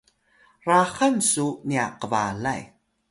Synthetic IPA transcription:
raχansuniaqəvalaj

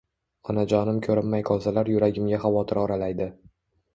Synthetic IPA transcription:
ɒnad͡ʒɒnɪmkʲʰɵɾɪmːajqʰɒwzalaɾjʊɾaɡʲɪmɡʲaχavɒt̪ʰɪɾɒɾalajd̪ɪ

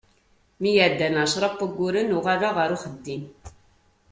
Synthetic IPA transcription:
mijəʕd̪ːænaʕʃɾˤɑpːəɡʷːʊɾənʊʁaðaʁəɾuχəd̪ːin

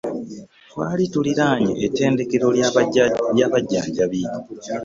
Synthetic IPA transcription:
twaːlituliɾaːɲḛʔetːe̞ːnde̞ke̞ɾo̞ | jaːβaɟːaːɲɟaβiːɲo

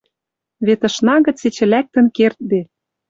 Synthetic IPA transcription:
βet̪ɤ̆ʃnɑɣə̆t͡set͡ɕɘ̆læk̚t̪ə̆nkert̪̚be

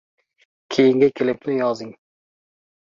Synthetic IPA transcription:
kʲʰejɪŋɡʲakʲʰelɪp̚nɪjɒzɪŋ

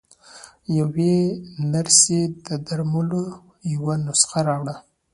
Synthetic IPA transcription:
jawenaɾsed̪əd̪aɾmulo | jawanʊsxaɾɑwɽa

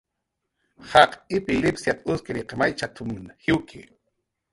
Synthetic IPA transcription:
hɑqɪpɪlɪpsjat̪aʊskɪɾɪqemajt͡ʃat̪ʰʊmnhɪwkʰɪ̰

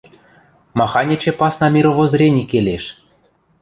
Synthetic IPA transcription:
mɑxɑnʲit͡ɕĕpɑsnɑmʲiɾovozɾʲenʲikʲelʲeʃ

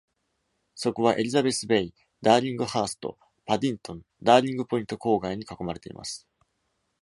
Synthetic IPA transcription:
so̞koβaʔe̞ɾʲizabe̞sɨbe̞i | d̪aːɾʲĩŋɡɯ̟haːsɨ̥t̪o̞̰ | pad̪ʲĩnt̪õ̞n | d̪aːɾʲĩŋɡɯ̟po̞ĩnt̪o̞ko̞ːɡaiɲ̟ikako̞maɾe̞t̪e̞ḭmʔa̰sɨ̥

